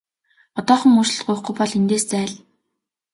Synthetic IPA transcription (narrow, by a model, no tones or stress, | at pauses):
ɔt̪ɔːχə̆ŋuːʃɘ̆ɮt̪ɢʊjχɡŭjpɔɮint̪eːst͡sæːɮ